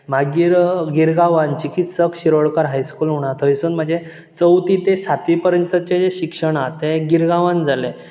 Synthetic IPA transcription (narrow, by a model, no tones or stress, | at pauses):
m̤aɡiːɾɡiɾɡaʋãnt͡ɕikit̪səkɕiɾoɽkəɾɦajskulɦuɳ̃at̪ʰəjsunm̤əɳd͡ze | t͡səwt̪it̪esat̪ʋipəɾənt͡sət͡ɕed͡zeɕikʂəɳ̃at̪eɡiɾɡaʋãnd͡zale